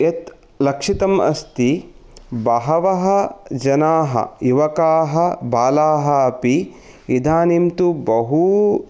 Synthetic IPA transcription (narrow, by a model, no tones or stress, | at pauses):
et̪ | lɐkʂit̪ɐmɐ̰st̪i | bɐɦɐʋɐɦɐ̆d͡ʒɐnaːɦɐ̰juʋɐkaːɦɐ̆baːlaːɦɐɐpi | id̪ʱaːnimt̪ubɐɦu